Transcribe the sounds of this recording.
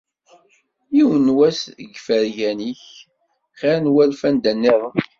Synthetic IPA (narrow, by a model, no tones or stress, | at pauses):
jiwənwæsəɡfəɾʝæniç | χænwælfænd̪ænːiɾˤ